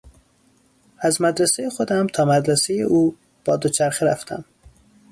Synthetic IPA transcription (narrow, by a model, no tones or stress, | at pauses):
æzmæd̪ɾæsejexod̪æmt̪ʰɒːmæd̪ɾæsejḛʔuː | b̥ɒːd̪ot͡ʃʰæɾxeɾæft̪ʰæ̰m